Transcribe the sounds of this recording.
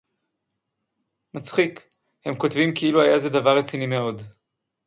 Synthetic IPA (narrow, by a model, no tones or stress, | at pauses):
mat͡sχik | he̞mko̞tvimkeiluhajaze̞d̪avaʁːet͡sinime̞o̞d